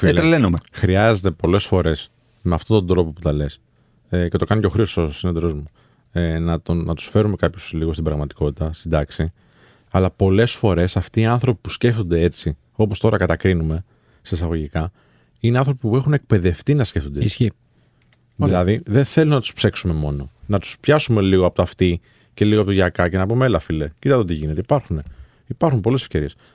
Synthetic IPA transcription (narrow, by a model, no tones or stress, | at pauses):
fielelenumexɾiɐze̞t̪epo̞le̞sfo̞ɾe̞s | meɐft̪o̞t̪o̞nd̪ɾo̞po̞put̪ɐle̞s | cet̪o̞kɐnceoxɾiososinot̪eɾozmu | nɐt̪onɐt̪u̥sfe̞ɾume̞kɐpçosliɣost̪ibɾɐɣmɐt̪i̥ko̞t̪it̪ɐst̪id̪ɐksi | ɐlɐpo̞le̞sfo̞ɾe̞sɐft̪iːɐnθɾo̞pi̥pusce̞ft̪o̞nd̪e̞e̞t͡si | o̞post̪o̞ɾɐkɐt̪ɐkɾinume̞ | seːsɐɣo̞ʝikɐ | ineɐnθɾo̞pipue̞xune̞k̚pe̞ðe̞ft̪inɐsce̞ft̪ond̪ei | ðilɐðiðenθe̞lunnɐt̪u̥spse̞ksume̞mo̞no̞nɐt̪u̥spçɐsume̞liɣoɐpot̪ɐft̪i | ce̞liɣoɐpot̪oʝɐkɐce̞nɐpumeelɐfilecit̪ɐt̪eo̞t̪iʝinet̪eipɐɾxune̞ | ipɐɾxumpo̞le̞sefce̞ɾies